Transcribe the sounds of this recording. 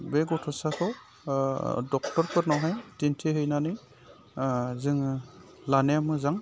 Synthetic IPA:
bɛɡɔtʰɔsakʰɔ | dɔk̚tɔɹkʰɯɾnɔɦɔjtintʰiɦɯjnanɯj | zɯŋ | lanɛamɯzaŋ

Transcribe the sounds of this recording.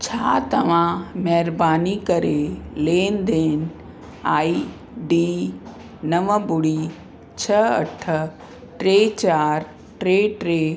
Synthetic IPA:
t͡ɕʰaːt̪ɐʋ̤ãmɛɦɾbaːnikɐɾeleːnd̪eːnɪ̆ | aːi | ɖiː | nɐʋəbʊɽiː | t͡ɕʰɐɐ̰ʈʰə̆ | ʈɾeːt͡ɕaːɾ | ʈɾeːʈɾeː

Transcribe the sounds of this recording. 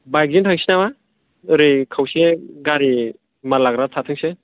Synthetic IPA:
bajk̚zintʰaŋsinama | ɯɾikʰawseɡaɾi | malaɡɾatʰatʰɯŋse

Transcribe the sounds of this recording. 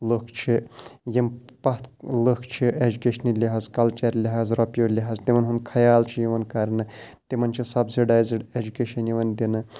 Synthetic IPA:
ləkʰt͡ʃʰijimpɐt̪ləkʰt͡ʃʰiʔed͡ʒukʲeʃɐnilʲɐɦaːzkɐlt͡ʃeɾlʲɐɦaːzɾɔpjoːlʲiɦaːzt̪imɐnɦunkʰɐjaːlt͡ʃʰijiʋɐnkɐɾnɨt̪imɐnt͡ʃʰisɐbsiɖaːjzɖed͡ʒukʲeːʃɐnjiʋɐnd̪inɨ

